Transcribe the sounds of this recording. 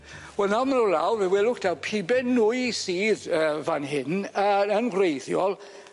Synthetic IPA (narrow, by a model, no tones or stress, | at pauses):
wɛlˠnawmanula̰wvɛwɛlˠʊkd̥awpʰibɛnʊɨsiːðəvanɦɪnəənɡrejðjɔlˠ